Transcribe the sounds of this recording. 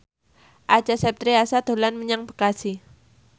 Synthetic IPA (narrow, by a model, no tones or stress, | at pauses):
ʔḁd͡ʒ̥a̤sɛp̚t̪ɾiasad̪̥o̤lanməɲaŋpə̥kasi